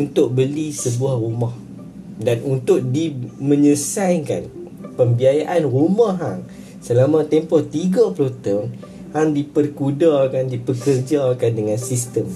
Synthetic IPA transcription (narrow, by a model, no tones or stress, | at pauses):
unt̪ʊʔ̚bəlisəbuahrumãh | danunt̪ʊʔ̚dimə̃ɲəsajka̰n | pəmbiajaʔanrumãɦa̰ŋ | səlamãt̪ɛmpɔt̪iɡaplot̪ən | haŋdipərkudakandipəkərd͡ʒakandəŋansist̪əm